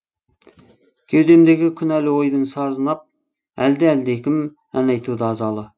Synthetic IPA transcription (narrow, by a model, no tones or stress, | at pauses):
kʲʰewd̪e̞md̪e̞ɡʲɪkʲʰʏnælɪwo̞jd̪ənsɑzənɑp̚ | æld̪ɪæld̪ekʲɪm | ænɑjt̪ʰud̪əɑzɑlˠə